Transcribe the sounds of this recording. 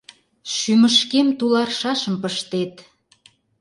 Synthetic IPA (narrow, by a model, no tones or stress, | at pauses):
ʃyməʃkemt̪ulɑrʃɑʃəmpəʃt̪et̪